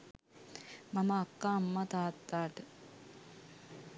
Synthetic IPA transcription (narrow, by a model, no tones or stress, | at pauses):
mamɐːkːaːmːat̪aːt̪ːaːʈə